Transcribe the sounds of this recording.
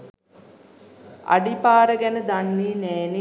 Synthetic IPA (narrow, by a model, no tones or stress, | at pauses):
a̰ɖipaːɾəɡænəd̪anːiːneːni